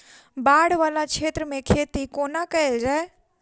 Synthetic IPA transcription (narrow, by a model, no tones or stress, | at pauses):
baːɽʋaːlat͡ʃʰeːt̪ɾəmẽkʰeːt̪ikoːnakɐeld͡ʒaːe